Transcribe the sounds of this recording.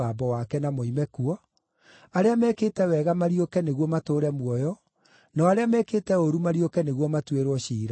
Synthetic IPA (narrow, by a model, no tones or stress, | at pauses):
aːbɔwakɛnamoimɛkuɔ | aɾeamɛːkeːtɛwɛɣamaɾiokɛneɣwɔmatoːɾɛmwɔjɔ | nɔaɾeamɛketɛoɾumaɾiokɛneɣwɔmatweɾwɔɕiːɾa